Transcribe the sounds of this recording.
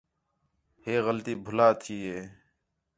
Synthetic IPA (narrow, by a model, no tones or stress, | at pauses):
heːɣəlt̪iːbʱʊlaːt̪ʰiːɦeː